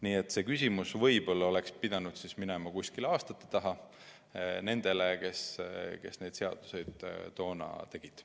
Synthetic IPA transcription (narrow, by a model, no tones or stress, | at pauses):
niːet̪ːˑse̞ːkysʲimusvɤjb̥o̞lːɑo̞le̞kspid̪̥ɑnud̪̥sisminemɑkusʲkilɑːst̪ɑt̪ːˑet̪ɑɦɑ | ne̞nd̪̥e̞leke̞ske̞sne̞jd̪̥se̞ɑ̰d̪̥u̥se̞jd̪̥ːo̞ːnɑ̰t̪e̞ɡ̥id̪̥